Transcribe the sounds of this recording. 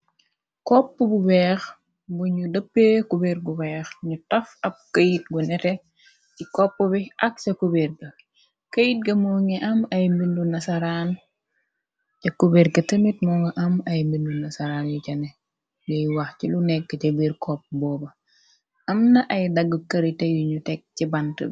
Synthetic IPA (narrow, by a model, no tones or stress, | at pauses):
kɔpːəbubɛːx | buɲudɐpːekubeɾɡuwɛxɲutɐfɐb̚kɐjit̚ɡunɛtɛ | cikɔpːəbiʔɐk̚sɐkuberɡɐ | kɐjit̚ɡɐmɔŋiʔɐmɐjmindunɐsɐɾan | t͡ʃɐkubeɾɡɐtəmit̚mɔŋɡɐʔɐmɐjmindunɐsɐɾanjucɐnɛ | jɔjwɐxcilunɛkːəcɐbiɾkʰɔp̚ːbɔːbɐ | ɐmnɐʔɐjdɐɡːəkɐɾitɐjuɲutɛk̚cibɐntə̰